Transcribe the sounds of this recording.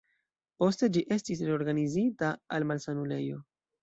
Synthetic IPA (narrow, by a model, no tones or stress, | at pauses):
po̞ste̞d͡ʒiʔe̞stis̬ɾeo̞ɾɡanizitaalmalsanule̞̰jo̞